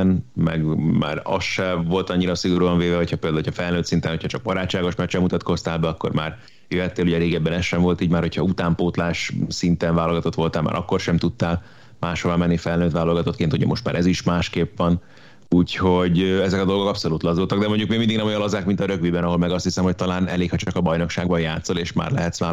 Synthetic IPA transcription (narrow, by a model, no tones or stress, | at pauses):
nmɛ̰ɡma̰ːɾɒ̰sʃɛvo̞lt̪ɒɲːiɾɒsiɡo̞ɾuːɒɱveːvɛɦochɒpeːld̪alːocʰhɒfɛlnøːt̪sint̪ɛnho̞cʰhɒt͡ʃɒɡ̚bɒɾaːt͡ʃːaːɡo̞ʃmɛt͡ʃːɛmut̪ɒt̪ko̞st̪aːlbɛɒkːo̞̰rma̰ːr | jøɦɛt̪ːeːluɟɛɾeːɡɛbːɛnɛsʃːɛɱvo̞lt̪iːɟmaːrho̞cʰhɒut̪aːmpoːt̪laːʃsint̪ɛnvaːlolɡɒt̪o̞t̪ʋo̞lt̪aːlma̰ːɾɒkːo̞rʃɛmt̪ut̪ːaːl | maːʃhoɾamɛnːifɛlnøːt̪ʋaːlo̞lɡɒt̪o̞t̪keːnt̪uɟɛ̰mo̞ʃt̪ma̰ːɾɛziʃmaːʃkeːpʋɒn | uːcho̞ɟɛzɛkɒd̪o̞lɡo̞kɒpso̞lut̪lɒzult̪ɒɡd̪ɛmoɲɟukmeːmind̪iɡnɛmojɑnlozaːkmint̪ɒɾø̞kʋibɛnɒɦo̞lmɛɡɒst̪hisɛmho̞c̚t̪ɒlaːnɛ̰leːkʰhɒt͡ʃɒkɒbɒjno̞kʃaːɡbɒjaːt̪so̞leːʃma̰ːrlɛ̰ɦɛt̪sʋaː